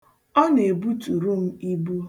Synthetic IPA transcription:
ɔ˦ne˨bu˦tu˨ɾu˦m̩˦i˦bu˦

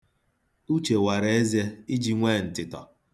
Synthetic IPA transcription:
u˦t͡ʃe˨wa˨ɾe˨e˦ze˦i˦d͡ʒi˦ŋʷe˦˨n̩˨tɪ˨tɔ̰˨

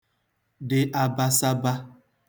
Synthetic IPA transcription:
dɪ˨ʔa˨ba˦sa˦ba˦

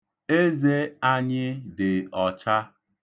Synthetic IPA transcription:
e˦ze˦a˦ɲɪ˦dɪ˨ɔ˨t͡ʃa˦

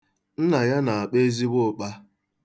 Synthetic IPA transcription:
n̩˦na˨ja˦na˨a˨k͡pe˦zi˦bʊ˦˨k͡pa˦

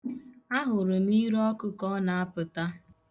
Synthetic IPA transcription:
a˦ɦʊ˨ɾʊ˨m̩˦i˦ɾɔ˦kʊ˦kɔ˦na˨a˦pʊ˨ta˦

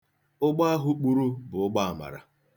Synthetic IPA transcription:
ʊ˦ɡ͡ba˦a˦ɦʊ˦k͡pu˨ɾu˦bʊ˨ʊ˦ɡ͡ba˦a˨ma̰˨ɾa̰˨

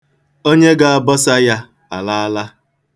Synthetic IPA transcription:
o˦ɲe˦ɡa˨a˨bɔ˦sa˦ja˦ | a̰˨la˦a˦la˦

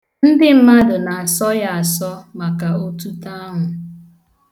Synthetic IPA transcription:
n̩˦dɪ˦m̩˦ma˦dʊ˨na˨a˨sɔ˦ja˦a˨sɔ˦ma˨ka˨o˦tu˦ta˦ŋʊ˨

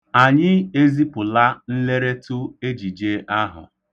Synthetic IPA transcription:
a˨ɲɪ˦e˦zi˦pʊ˨la˦n̩˦le˦ɾe˦tʊ˦e˦d͡ʒi˨d͡ʒe˦ʔa˦ɦʊ̰˨

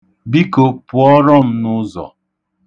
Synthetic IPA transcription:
bi˦ko˨pʊ˨ɔ˦ɾɔ˦m̩˦nʊ˦zɔ̰˨

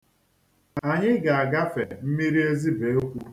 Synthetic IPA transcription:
a˨ɲɪ˦ɡa˨a˨ɡa˦fe˨m̩˦mi˦ɾi˦e˦zi˦be˨˦o˦kʷu˦

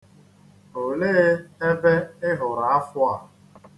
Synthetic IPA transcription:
o˨le˦ɣe˦e˦be˦ɪ˦ɦʊ˨ɾa˨a˦fʊ˦a˨

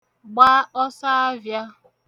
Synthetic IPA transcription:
ɡ͡ba˦ɔ˦sa˦a˦vja˦

